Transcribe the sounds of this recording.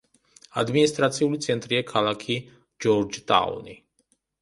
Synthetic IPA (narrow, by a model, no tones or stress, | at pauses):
a̰d̪minist̪ʼɾat̪sʰiulit̪sʰɛnt̪ʼɾiakʰalˠakʰi | d͡ʒɔɾd͡ʒt̪ʼa̰ṵni